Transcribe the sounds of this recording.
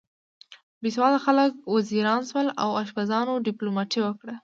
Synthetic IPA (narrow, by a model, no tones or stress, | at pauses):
biswɑlaxaləkwaziɾɑnswəla̰waʃbazɑnoɖiplomɑʈʰiwəkɽə